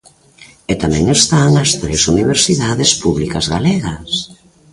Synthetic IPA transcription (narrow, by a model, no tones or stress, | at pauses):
et̪amɛ̃ŋest̪aŋɐst̪ɾesuniβeɾsiðaðɪspuβlikɐzɣalɛɣɐs